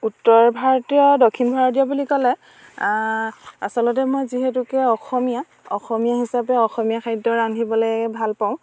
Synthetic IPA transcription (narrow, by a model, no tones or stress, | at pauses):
utːɔɹbʱaɹɔtiɔdokʰːinbʱaɹɔtijɔbulikɔlɛ | a̰sɔlɔt̬ɛmɔjziɦetukɛɔxɔmija | ɔ̰xɔmijaɦisapɛɔxɔmijakʰaɹidɔɹandʱibɔlɔjɛbʱalpãʊ̃